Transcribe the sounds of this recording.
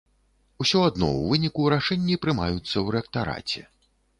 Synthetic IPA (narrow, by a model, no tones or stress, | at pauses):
usʲɔad̪nɔ̰wvɨnʲikuɾaʂɛnʲːipɾɨma̰jut̪sːɐwɾɛk̚t̪aɾa̰t͡sʲɛ